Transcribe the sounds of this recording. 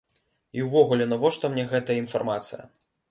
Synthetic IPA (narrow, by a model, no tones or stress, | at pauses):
iwvɔɣulʲɛnɐvɔʂt̪ɔmnʲɛɣɛt̪ɐjɐinfarmat̪sɨ̰jɐ̰